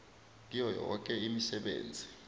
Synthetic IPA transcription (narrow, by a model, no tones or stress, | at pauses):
k̬ʼijɔjɔk̬ʼɛimisɛɓḛːnd͡zʱi